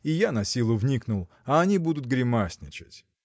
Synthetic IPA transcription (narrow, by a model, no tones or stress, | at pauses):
ijanɐsʲilˠʊvnʲiknʊlˠ | ɐːnʲibud̪ʊt̪̚ɡɾʲɪmasʲnʲɪt͡ɕɪ̥tʲ